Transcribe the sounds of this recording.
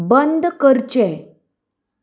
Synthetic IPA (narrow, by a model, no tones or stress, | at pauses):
bənd̪kəɾt͡ɕɛ̃